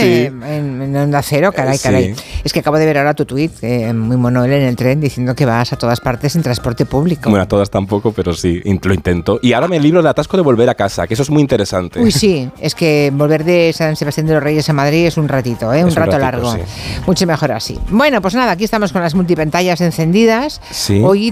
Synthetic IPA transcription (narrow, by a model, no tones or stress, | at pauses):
enenond̪aθe̞ɾo̞kaɾajkaɾaje̞ske̞akaβo̞ð̞eβeɾaoɾat̪ut̪wit̪emujmonoelene̞lt̪ɾe̞nd̪iθje̞nd̪o̞ke̞βasat̪o̞ðaspaɾt̪e̞sint̪ɾanspo̞ɾt̪e̞puβlikobenat̪oðast̪ampokopeɾosiḭnloint̪ent̪oʔiaoɾameliβɾoðeat̪askoðe̞βo̞lβe̞ɾakasa̰kes̬oezmuijint̪eɾesant̪eujsie̞ske̞bo̞lβe̞ɾðe̞sanse̞βast̪jand̪eloreje̞senmaðɾie̞sunrat̪it̪o̞eunraolaɾɣo | mut͡ʃeme̞xo̞ɾa̰sḭbwe̞no̞pwoznaðaːkiest̪amo̞sko̞nlazmult̪̬ipant̪aʎasenθe̞nd̪iðas | sio̞j